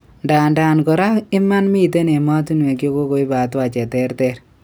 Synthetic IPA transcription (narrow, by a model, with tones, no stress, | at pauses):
nda˨nda˨nkɔ˨ɾa˦ɪ˦ma˦nmi˦˨t̬e˦ne˨ma˦tu˦n˨e˨kjo˦ko˦ko˨i˦ba˨twa˨t͡ʃɛ˨tɛ˦ɾtɛ˦ɾ